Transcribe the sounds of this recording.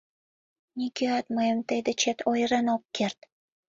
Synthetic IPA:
nʲikʲeɑt̪məjəmt̪ejd̪et͡ɕet̪ʰojɾenop̚kert̪

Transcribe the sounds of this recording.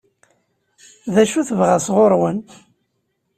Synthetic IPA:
ðæʃuθəvʁasʁoɾˤwən

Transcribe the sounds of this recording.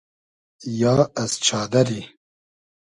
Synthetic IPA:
jɑːɛzt͡ʃʰɑːd̪ɐɾiː

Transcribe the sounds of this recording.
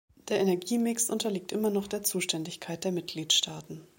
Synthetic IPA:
d̥eːɐenɛɐɡiːmɪksʔʊntɐliːk̚tʔɪmɐnɔχd̥eːɐt͡suːʃtʰɛndɪçkʰaɪt̚d̥eːɐmɪt̚ɡ̥liːtʃtʰaːtn̩

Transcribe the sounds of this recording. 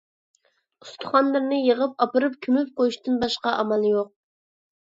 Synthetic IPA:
ust̪ʰʊ̥χɑnlˠɨɾnɨjeʁəpɑpɨɾɨp̚kʲʰymyp̚qojuʃt̪ɨnbɑʃqɑʔɑmɑlˠjoq̚

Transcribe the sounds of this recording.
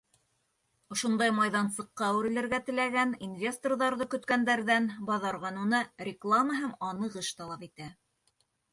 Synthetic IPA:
ŏʃŏnd̪ɑjmɑjðɑnsɤ̆qːɑwʉɾɘ̆lɘ̆ɾɡæt̪ɘ̆læɡæninvʲe̞st̪orðɑɾðɤkɵ̆t̪kænd̪æɾðænbɑðɑɾʁɑnunɤrʲɪklˠaməɦæmɑnɤ̆ʁɤʃt̪ɑlˠɑpit̪æ

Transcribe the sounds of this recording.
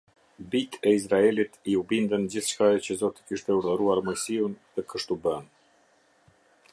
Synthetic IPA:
bit̪ʰɛis̬ɾaɛlit̪iubind̪ənd͡ʑiθʃkajɛt͡ɕəzɔt̪i̥kiʃt̪ɛuɾðəɾuaɾmɔjsiunðɛkəʃt̪ubən

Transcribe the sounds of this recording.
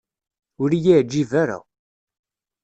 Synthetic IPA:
ʊɾijæʕd͡ʒːivaɾa̰

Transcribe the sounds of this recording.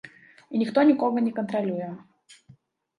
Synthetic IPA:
inʲɪxt̪onʲɪkoɡənʲɪkənt̪ɾɐlʲujə

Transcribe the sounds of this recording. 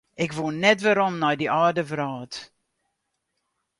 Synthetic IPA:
ɪkʋunɛtʋaɾɔmnɔjdiʔaːrdəvraːt

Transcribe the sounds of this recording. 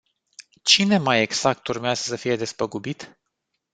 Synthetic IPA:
t͡ʃine̞maje̞ɡz̥ak̚t̪urmeazəsəfije̞d̪e̞spəɡubit̪

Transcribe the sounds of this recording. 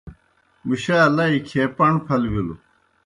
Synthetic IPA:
miɕaːlaikʰeːpɐɳpʰɐlbilu

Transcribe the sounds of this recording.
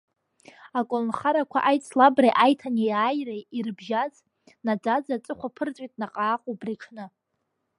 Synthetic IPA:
akʷʼonχaɾakʷʰa̰ʔajt͡sʼʰlabrejʔajtʰaniaːjrejirbʒaz | nad͡zad͡zat͡sʼɨχʷapʰɨrt͡sʷʼitʼnaqʼaːqʼobriʈ͡ʂʰnɨ

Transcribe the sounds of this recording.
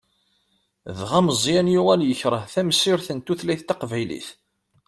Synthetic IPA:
ðʁæməzˤjænjʊʁæljəçɾˤəθæmsɪɾθənt̪uθlæjθt̪ɑqvæjlḭθ

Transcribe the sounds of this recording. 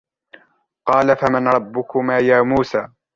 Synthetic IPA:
qɑːlafamɪnɾˤɑbːʊkʊmaːjaːmuːsaː

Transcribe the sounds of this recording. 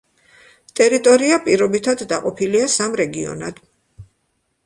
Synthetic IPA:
t̪ʼɛɾit̪ʼɔɾiapʼiɾɔbit̪ʰad̪ːaqʼɔpʰiliasamɾɛɡiɔ̰na̰d̪̥

